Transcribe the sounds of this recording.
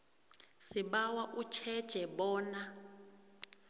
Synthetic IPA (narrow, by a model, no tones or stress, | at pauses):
siɓawaʔut͡ʃʰɛd̥ʒ̥ʱɛɓɔːna